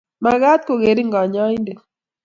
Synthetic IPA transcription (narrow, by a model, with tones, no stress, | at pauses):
ma˨ɣa˦t̪̚ko˨ɣe˨ɾi˦ŋɡa˨ɲa˦i˦nde˨